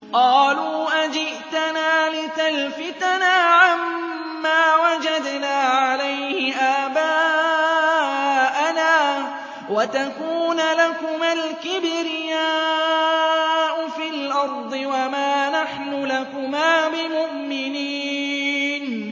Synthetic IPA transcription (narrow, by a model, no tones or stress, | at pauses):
qɑːluːʔad͡ʒɪʔt̪anaːlɪt̪alfɪt̪anaːʕamː | aːwad͡ʒad̪naːʕalajhɪʔaːbaː | ʔanaː | wat̪akuːnlakʊmalkɪbɾɪjaː | ʔʊfɪlʔɑɾˤd̪ˤɨwamaːnaħnʊlakʊmaːbɪmʊʔmɪniːn